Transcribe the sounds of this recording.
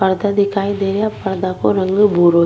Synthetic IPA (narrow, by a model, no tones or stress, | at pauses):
əɾd̪ad̪ɪkʰaːid̪eːɾejapɐɾd̪akoɾə̃ŋɡbʱuːɾoː